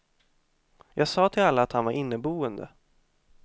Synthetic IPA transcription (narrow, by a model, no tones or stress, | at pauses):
jʔɑːɡsɑːt̪ʰɪlalːaːt̪hanvaɾʔɪnːəbuːənd̪ə̰